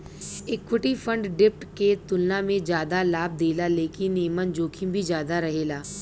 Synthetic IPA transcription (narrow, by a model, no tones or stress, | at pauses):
eːkʰːʊʈipə̃ɳɖɖɪp̚ʈket̪ʊlnamẽd͡ʒjaːd̪alaːb̚d̪eːlaleːkɪneːmənd͡ʒoːkʰimbʱid͡ʒjaːd̪aɾɐɦeːlaː